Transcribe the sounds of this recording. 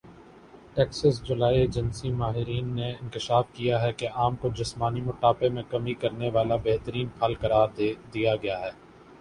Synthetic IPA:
ʈɛːksəsd͡ʒʊlaːied͡ʒɐnsimaːɦɪɾiːnːeɪ̃nkɪʃaːfkijaɦɛkeʔaːmkod͡ʒɪsmaːnimʊʈaːpemẽkɐmikɐɾneʋaːlabɛɦt̪əɾiːnpʰaːlkɐɾaːɾd̪d̪ijaɡɐjaɦɛː

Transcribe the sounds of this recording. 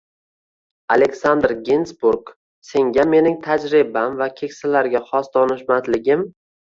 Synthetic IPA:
alekʲsand̪ɾɡʲensbuɾɡ | se̞ŋɡʲame̞nɪŋt̪ʰad͡ʒɾɪbamvakʲʰe̞kʲsalaɾɡʲaχɒsd̪ɒnɪʃmat̪lɪɡʲɪm

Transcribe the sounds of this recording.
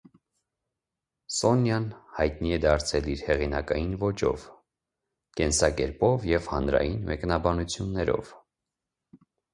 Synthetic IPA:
sɔnjɑnhɑjt̪̚niɛd̪ɑɾt͡sʰɛliɾhɛʁinɑkɑjinvɔt͡ʃɔ̰v | kɛnsɑkɛɾpɔvjɛvhɑnɾɑ̰jinmɛknɑbɑnut͡sʰjunːɛɾɔ̰v

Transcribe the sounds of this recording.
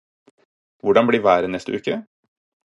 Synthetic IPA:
ʋʊɖɑnbɽiːʋæːɾənɛst̪əʉːkə

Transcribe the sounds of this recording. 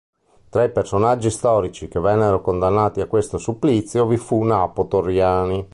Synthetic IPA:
t̪ɾaipersonad͡ʒːist̪ɔːɾit͡ʃikevːɛnːeɾokond̪anːaːt̪iakːwest̪osupːlit̪sːjovifunapot̪orːjaːni

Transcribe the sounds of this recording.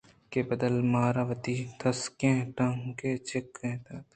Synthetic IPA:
kebɐd̪əlmaːɾaʋɐt̪it̪ʰɐskẽːʈɐ̃ŋket͡ʃekːẽːt̪ɐt̪

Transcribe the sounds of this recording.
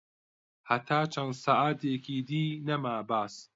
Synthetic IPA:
hɐt̪ʰaːt͡ʃʰɐnd̪saːʔaːt̪ʰeːkʰiːd̪iːnɐmaːbaːs

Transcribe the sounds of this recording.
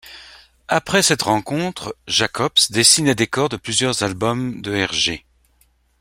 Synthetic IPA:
apχɛsɛt̪ʁɑ̃kɔ̃t̪χʒakɔpsd̪esined̪ekɔʁd̪əplyzjœʁzalbɔmd̪əɛʁʒe

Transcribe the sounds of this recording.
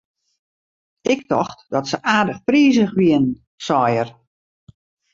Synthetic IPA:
ɪk̚tʰɔ̰xtd̥ɔtsəʔaːdəxpriːzəxʋiən | sɔjər

